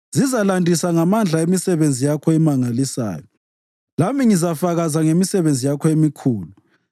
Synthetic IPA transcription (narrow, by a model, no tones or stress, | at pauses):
zizalandʱisaŋamand͡ɮʱaemisɛβend͡zʱijakʰɔɛmaŋalisa̰ːjɔ | lamiŋizafaɣazaŋemisɛβend͡zʱijakʰɔemikʰuːlu